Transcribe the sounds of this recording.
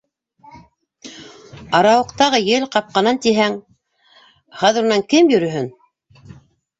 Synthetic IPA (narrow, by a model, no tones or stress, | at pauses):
ɑɾɑwɤ̆qt̪ɑʁɤjɘlqɑp̚qɑnɑnt̪iɦæŋ | χɑðɘ̆ɾŭnɑŋkɘmjɵ̆ɾɵ̆ɦɵn